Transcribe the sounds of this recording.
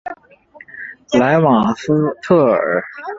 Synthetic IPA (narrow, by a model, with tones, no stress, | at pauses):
la˧˥ɪwɑ˨˩ŋst̪ʰɤ˥˩ə̰˞˨˧˩